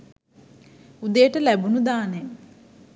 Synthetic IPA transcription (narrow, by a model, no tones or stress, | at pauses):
ud̪ejəʈəlæbunud̪aːnen